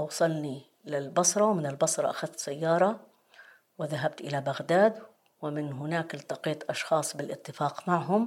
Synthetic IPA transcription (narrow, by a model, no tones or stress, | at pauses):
ʔɑwsˤɑlni | lɪlbɑsɾˤɑwmɪnɪlbɑsɾˤɑʔaxaðt̪sajːɑːɾˤɑ | wɪðaɦabt̪ʔɪlabaɣd̪aːd̪ | wɪmɪnɦʊnaːkɪlt̪ɑqiːt̪ʔɑʃxɑːsˤbɪlʔɪt̪ːɪfaːqmaʕɦʊm